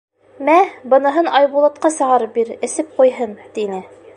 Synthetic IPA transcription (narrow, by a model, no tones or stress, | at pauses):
mæbɤ̆nɤ̆ɦɤnɑjβulˠɑt̪̚qɑsɤ̆ʁɑɾɤp̚biɾɘ̆sɘp̚qujɦɤnt̪inɘ